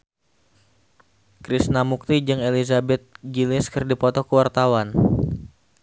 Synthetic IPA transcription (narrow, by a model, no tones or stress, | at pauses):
kɾisnamuk̚t̪id͡ʒɨŋelizabɛt̪̚d͡ʒilɪskɨrdipɔt̪ɔkəwart̪awan